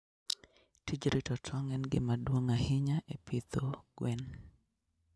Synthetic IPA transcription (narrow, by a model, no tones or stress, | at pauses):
tʰid͡ʒɾitɔtʰɔŋɛnɡɪ̰madwoŋahɪɲaʔepʰit̪oɡ̥wɛn